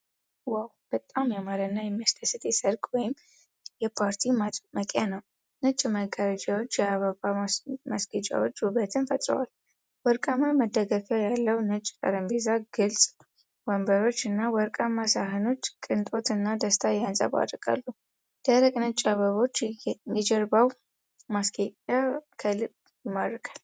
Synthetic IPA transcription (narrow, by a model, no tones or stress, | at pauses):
wawb̥ət̪ʼːamjɛmaɾənːajɛmːiast̪ʰəsɨt̪ʼjɛsəɾkʼwɔjɪm | jɛpʰaɾt̪ʰimməkʼjanəw | nɨt͡ʃʼməɡaɾəd͡ʒawo̞t͡ʃːjɛaβəβamasɡət͡ʃʼa̰wot͡ʃːuβət̪ʰɨnfət̪ʼɾə̰wal | wɔɾkʼamaməd̪ːəɡəfəwjalːəwnɨt͡ʃʼːk̪ʼə̰ɾəmbezaɡ̥ɨlsʼ | wɔmbəɾo̞t͡ʃːɨnːawɔɾkʼamasaɦɨno̞t͡ʃːkʼɨnt̪ʼo̞t̪ɨnːad̪əst̪ʰajansʼə̰βa̰d̪ɾkʼa̰lːu | d̪̥aɾəkʼnɨt͡ʃʼaβəβo̞t͡ʃːjɛd͡ʒɛɾbaw | masɡeakʰəlɨb | jɪmːad̪ɾɨkʰal